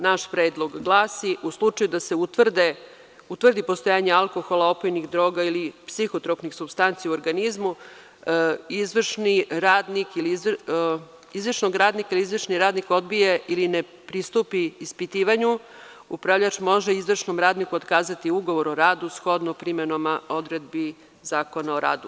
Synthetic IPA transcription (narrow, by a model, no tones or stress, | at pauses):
naʃpɾeːd̪lˠo̞ɡɡlˠaːsiʔuslˠut͡ʂajud̪ase̞ut̪ʋrd̪e | ut̪ʋr̩d̪ipost̪o̞jaːɲealˠko̞xo̞lˠao̞pojnixd̪ɾo̞ːɡailipsixot̪ɾopnixsubst̪ant̪sijauoɾɡanizmu | izʋr̩ʃniɾaːd̪nikiliz | izʋrʃnoɡɾaːd̪nikailizʋr̩ʂniɾaːd̪niko̞d̪bijeʔiline | pɾist̪upiːspit̪iːʋaɲu | upɾaʋʎat͡ʃmo̞ʒeizʋr̩ʃno̞mɾaːd̪nikuot̪kaːzat̪iuɡo̞ʋo̞ɾoɾaːd̪usxo̞d̪nopɾimenomao̞d̪ɾe̞d̪̚bi | zaːko̞naoɾa̰ːd̪u